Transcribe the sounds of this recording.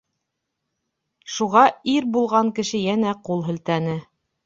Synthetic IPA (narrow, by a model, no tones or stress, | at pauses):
ʃuʁɑiɾbulˠʁɑŋkɘ̆ʃɘjænæqulˠɦɵ̆lt̪ænɘ